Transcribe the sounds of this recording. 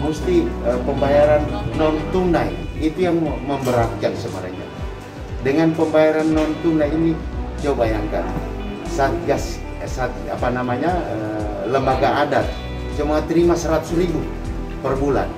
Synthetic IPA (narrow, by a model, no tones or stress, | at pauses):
must̪iəpəmbajaɾanːɔnt̪unajit̪ujaŋməmbəɾak̚d͡ʒaŋsəma̰ɾa̰ɲa̰ | dəŋanpəmbajaɾanːɔnt̪unajinid͡ʒaubajaŋka̰n | sat̪̚ɡas | sat̪̚a̰panamaɲaə | ləmbaɡaːdat̪̚ | d͡ʒumat̪əɾimasəɾat̪u̥sɾibu | pərbula̰n